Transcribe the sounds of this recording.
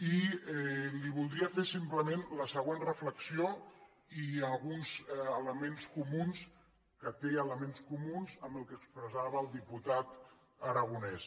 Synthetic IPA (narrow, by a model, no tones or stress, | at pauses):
iɛliβulˠd̪ɾiəfesimpləmenləsəɣ̞wenrəfləksio | iəlˠɣunzələmenskumuns | kət̪eələmenskumunzəmbəlˠkəkspɾəzaβəːlˠd̪iput̪at̪ | əɾəɣ̞unɛs